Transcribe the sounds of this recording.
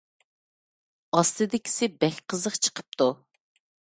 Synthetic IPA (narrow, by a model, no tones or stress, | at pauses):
ɑst̪ɨd̪ɪkʲʰi̥sɪbɛkʲqʰəzəqt͡ʃʰə̥qʰə̥p̚t̪ʰu